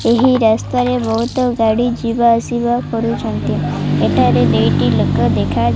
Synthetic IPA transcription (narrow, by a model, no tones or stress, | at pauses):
eɦiɾast̪aɾebɔɦut̪ɔɡaɽid͡ʒibaəsibakɔɾut͡ʃənt̪ieʈʰaɾed̪ejʈiləkːəd̪ekʰa